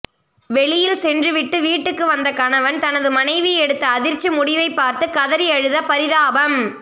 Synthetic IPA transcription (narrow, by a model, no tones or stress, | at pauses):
ʋɛɭɪjɪlsɛndrɯʋɪʈːɯʋiːʈːɯkːɯʋɐnd̪ɐkɐnɐʋɐnt̪ɐnɐðɯmɐnɐɪʋiɛɽɯt̪ːɐːðɪɾt͡ʃːimʊɽɪʋɐɪpːaːɾt̪ɯkɐðɐɾɪɐɻɯðɐpɐɾɪðaːbɐm